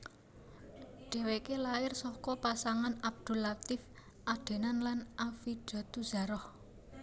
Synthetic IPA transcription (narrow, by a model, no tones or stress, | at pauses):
ɖ̥ɛ̤wekelaɪrsɔkɔpasaŋanab̚d̪̥ṳlat̪ɪf | ʔaɖ̪̥e̤nanlanʔafiɖ̥ɔ̤t̪uz̥a̤ɾɔh